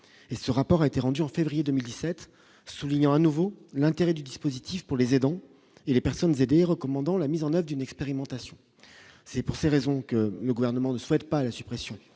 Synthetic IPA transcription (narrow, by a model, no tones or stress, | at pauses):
esəʁapɔʁaet̪eʁɑ̃d̪yɑ̃fevʁijed̪ømild̪isɛt̪ | suliɲɑ̃anuvolɛ̃t̪eʁɛd̪yd̪ispozit̪ifpuʁlezed̪ɑ̃ | elepɛʁsɔnzed̪eʁəkɔmɑ̃d̪ɑ̃lamizɑ̃nœvʁəd̪ynɛkspeʁimɑ̃t̪asjɔ̃ | sɛpuʁseʁezɔ̃kələɡuvɛʁnəmɑ̃nəswɛt̪̚palasy̥pχesjɔ̃